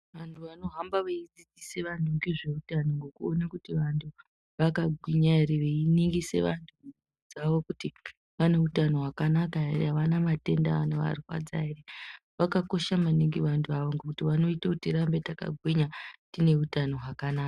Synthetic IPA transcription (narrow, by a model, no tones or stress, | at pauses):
ʋantʰuʋano̞ɦambaʋeid͡zid͡ziseʋantʰuŋɡeʐe̞utanoŋɡo̞kuonakutiʋantʰu | ʋakaɡʱwiɲaiɾeʋeiniŋɡise̞̰ʋantʰu | d͡zaʋo̞kuti | ʋane̞utano̞ɦwakanakaereɦaʋanamate̞ndaa̰noʋa̰rifa̰d͡za̰ire | ʋakako̞ʃamaniŋɡiʋantʰuaʋoŋɡokutiʋano̞itakutiɾambetaka̰ɡʱwiɲatine̞utano̞ɦwakanaːka